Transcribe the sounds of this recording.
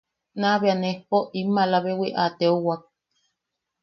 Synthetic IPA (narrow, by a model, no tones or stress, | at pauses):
naβeanehpoʔimːalaβewiʔat̪eowak̚